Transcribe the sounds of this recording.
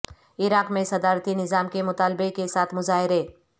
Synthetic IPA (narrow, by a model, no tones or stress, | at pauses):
ɪɾaːqmẽsɐd̪aːɾt̪inɪzaːmkemʊt̪aːlbekesaːt̪ʰmʊzaːɦɪɾeː